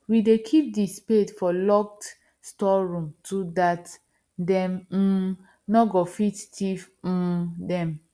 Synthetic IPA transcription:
widekʰip̚dispetfɔlɔk̚t | stɔɹũmtʰudat | dɛm̩ | nɔɡɔfittif̩dɛ̃m

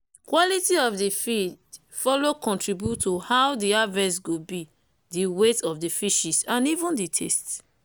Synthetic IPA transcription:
kwɔlitiɔfdifid | fɔlokɔ̃ntɹibjutʰːuhawdiavɛ̃sɡobi | diwetɔfdifiʃisãnivũnditʰḛst

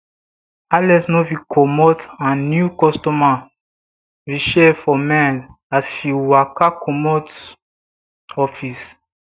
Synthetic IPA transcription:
alɛsnovikʰɔmɔtãnnjukɔstɔma | viʃɛfɔmɛ̃n | asfiwakakʰɔmɔt | ɔfis

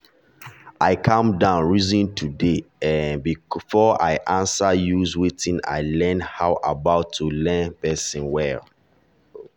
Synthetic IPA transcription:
ʔaɪkʰãmdãʊ̃nɹizĩntʰudeɛ̃nbifɔa̰ɪʔãnsajuzwitĩna̰ɪlɛ̃nhawʔabaʊtʰːulɛ̃npɛsĩnwɛl

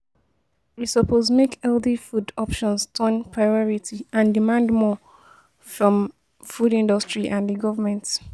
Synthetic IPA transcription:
wisəpʰozmekɛldifudɔpʃɔ̃nstʰɔ̃npʰɹaɪɔɹitʰiãndimãndmɔ | fɹɔ̃m | fudĩndɔstɹiʔãnðəɡɔvəmɛ̃nt

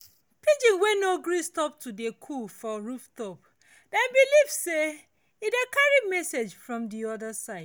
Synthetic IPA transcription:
pid͡ʒĩnwɛnoɡɹistɔp̚tʰudekʰufɔɹuftɔp | dabilivse | idekaɹimɛsed͡ʒfɹɔ̃mdiɔdəsaɪd

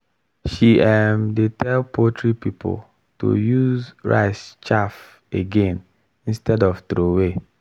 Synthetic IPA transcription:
ʃiɛmdetʰɛlpʰotʰɾipipʰo̰l | to̰juzɹa̰ɪst͡ʃaf | eɡẽn | ĩnstɛdɔftɾowe

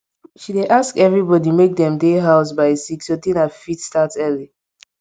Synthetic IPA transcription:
ʃideʔaskɛvɹibɔdimek̚dɛ̃mdeɦaʊs̬baɪsiksotĩnafitstatɛli

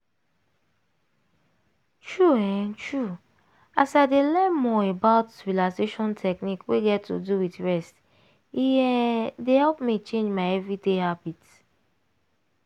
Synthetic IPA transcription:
tɹuɛ̃nt͡ʃɹu | asaɪdelɛtmɔebaʊtsɹilaseʃɔ̃ntʰɛknikweɡɛtːṵduwitɹɛst | ijɛdehɛlpmit͡ʃẽnd͡ʒmaɪɛvɹidehabit

